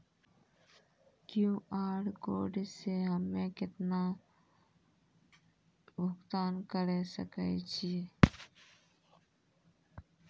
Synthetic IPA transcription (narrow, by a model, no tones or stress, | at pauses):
kjũːʔaːɖko̰ːɖseɦəmẽkɪt̪na | bʊkt̪aːnkəɾesə̰kət͡ʃʰi